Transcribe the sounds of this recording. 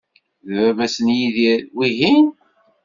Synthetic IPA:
ðvævæsənjiðiɾwiɦin

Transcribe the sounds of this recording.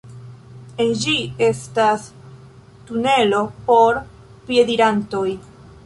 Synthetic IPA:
end͡ʒie̞stas | tune̞lo̞po̞ɾ | pje̞diɾanto̞j

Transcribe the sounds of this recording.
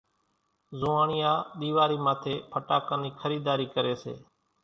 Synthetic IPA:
zʊːaːɳɪjaːɗ̪iːʋaːɾiːmãːt̪ʰeːpʰəʈaːkãːniːkʰəɾiːd̪aːɾiːkəɾeːsḛː

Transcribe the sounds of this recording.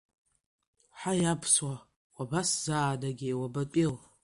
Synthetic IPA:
ħajapʰswa | qʷʼabaszaːdaɡʲejwabat͡pʼil

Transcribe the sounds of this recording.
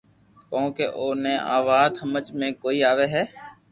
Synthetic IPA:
kõːkeːʔoːnẽːʔa̰ːʋaːd̪ɦəmət͡ʃmẽːkoːiːaːʋeːɦɛː

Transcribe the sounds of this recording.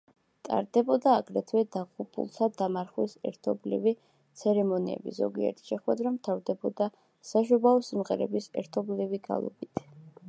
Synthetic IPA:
t̪ʼa̰ɾd̪ɛbɔd̪aːɡɾɛt̪ʰwɛd̪aqʼupʼṵlˠt̪ʰad̪amaɾχwisɛ̰ɾt̪ʰɔblḭvi | t̪sʰɛɾɛmɔniɛ̰bḭzɔ̰ɡiɛ̰ɾt̪ʰi̥ʃɛχwɛd̪ɾamt̪ʰavd̪ɛbɔd̪a | saʃubaɔsimʁɛɾɛ̰bisɛ̰ɾt̪ʰɔbliviɡa̰lˠɔ̰bit̪ʰ

